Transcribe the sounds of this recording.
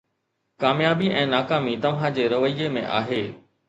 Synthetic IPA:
kaːmjaːbiʔɛ̃ːnaːkaːmit̪ɐʋɦãd͡ʑeːɾɐʋəjemẽʔa̰ːɦeː

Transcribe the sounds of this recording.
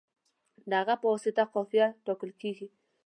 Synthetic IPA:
ndaɣapɔsitaqɔfiatɔkəlkiki

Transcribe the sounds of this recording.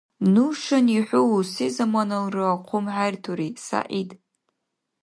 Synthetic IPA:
nuʂaniħʷʊwusizamanɨlrɨaqʷʰʊmħartʰuɾisa̰ʔid

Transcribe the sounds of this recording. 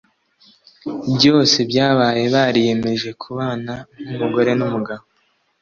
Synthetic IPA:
bjo̞ːse̞bjaːβaːje̞βaːɾije̞me̞ʒe̞kʰuβaːnanumuɡo̞ɾe̞numuɡaβo

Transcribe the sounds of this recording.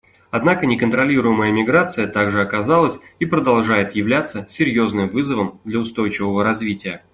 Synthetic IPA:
ɐd̪nakənʲɪkənt̪ɾɐlʲiɾʊjɪməjəmʲɪɡɾat̪sɨjət̪aɡʐɨɐkɐzalˠəsʲipɾəd̪ɐlˠʐajɪt̪jɪvlʲat̪sːəsʲɪɾʲjo̞znɨmvɨzəvəmd̪lʲəʊst̪o̞jt͡ɕɪvəvəɾɐzvʲitʲɪjə

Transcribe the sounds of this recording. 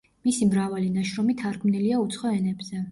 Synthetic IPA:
misimɾavalinaʃɾɔmit̪ʰaɾɡʰmniliaut̪sʰχɔɛnɛbz̥ɛ

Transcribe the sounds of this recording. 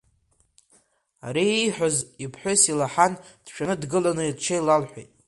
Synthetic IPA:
a̰ɾiiħʷᶣozipʰħʷᶣʊsilaħand̥ʃᶣʰanɨdɡɨlanɨidt͡ʃʰajlalħʷejtʼ

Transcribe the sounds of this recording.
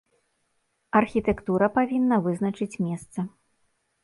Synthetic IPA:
ɐrxʲit̪ɛkt̪uɾɐpavʲinːɐvɨznɐt͡ʂɨt͡sʲmʲɛst̪sɐ

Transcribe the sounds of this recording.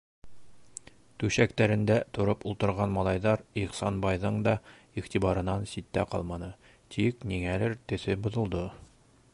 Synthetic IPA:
t̪ʉɕækt̪æɾɘ̆nd̪æt̪ŏɾɤpulˠt̪ɤ̆ɾʁɑnmɒlˠɑjðɑɾiχsɑnbɑjðɤɴd̪ɒ | iʁt̪ibɑɾɤ̆nɑnsit̪ːæqɒ̰lˠmɑnɤ | t̪ikniŋælɘɾt̪ɘ̆θɘbŏðɤ̆lˠd̪ɤ

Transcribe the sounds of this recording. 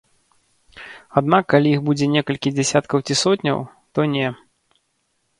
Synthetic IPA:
ad̪nakːalʲijixbud͡zʲɛnʲɛkɐlʲkʲid͡zʲɛsʲat̪kɐwt͡sʲisɔt̪ʲnʲɐ̰wt̪ɔnʲɛ

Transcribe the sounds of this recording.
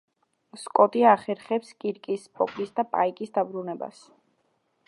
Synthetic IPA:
skʼɔt̪ʼiaχɛɾχɛpskʼiɾkʼispʰʼɔ̰kʼisd̪apʼa̰ikʼisd̪abɾunɛba̰s

